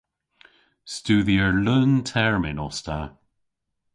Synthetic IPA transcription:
stuːðiəɹləntʰɛɹmɪnɔstʰa

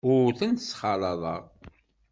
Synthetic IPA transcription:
ʊθənt̪əsχɑlˤɑðˤɑ̰ʁ

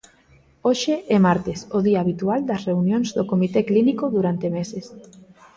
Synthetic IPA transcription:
oʃeʔɛmaɾt̪esoðiaːβit̪uald̪ɐsreunjõnzðokomit̪eklinikoðuɾant̪emeses

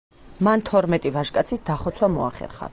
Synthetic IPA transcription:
mant̪ʰɔɾmɛt̪ʼivaʒkʼat̪sʰisd̪aχɔt̪sʰwamɔa̰χɛ̰ɾχa̰

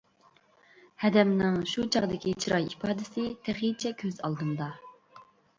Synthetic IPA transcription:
hɛd̪ɛmnɪŋʃut͡ʃʰɑʁd̪ɪkʲit͡ʃʰɾɑjipʰɑːd̪ɪsɪt̪ʰæχit͡ʃʰɛkʲʰøzɑ̰lˠd̪ɨnd̪ɑ

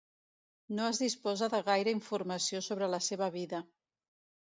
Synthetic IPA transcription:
noəzðispɔzəðəɣajɾəiɱfurməsiosoβ̞ɾələseβ̞əβ̞iðə

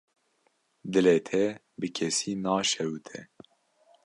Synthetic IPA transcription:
d̪ɨleːt̪ʰɛ | bɨkʰɛsiːnɑːʃɛwt̪ʰɛ̰

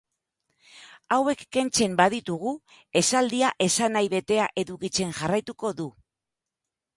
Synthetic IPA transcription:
awe̞kːe̞nt͡se̞mbaðit̪uɣ̞u | e̞sald̪iaʔe̞sanajβe̞t̪e̞aʔe̞ðukit͡se̞ŋʝarajt̪uko̞ðu

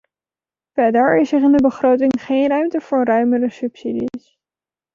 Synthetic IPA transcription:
fɛdəɹɪsɪχɪndəbəχrowtɪŋχejnrœɥmtəv̥ʊːɹrœɥmərəsɵpsidḭs

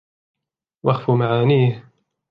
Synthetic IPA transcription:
waxfumaʕaːniːh

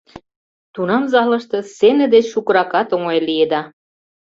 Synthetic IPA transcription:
t̪unɑmzɑlɤ̆ʃt̪ɤ̆senĕd̪et͡ɕʃukɤ̆ɾɑkɑt̪oŋoelied̪ɑ

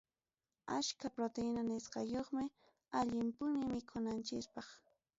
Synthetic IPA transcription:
aʃkapɾot̪enanɪsqɑjoχmɪ | aʎɪmpʊnɪmɪkʰʊnant͡ʃɪkpɑχ

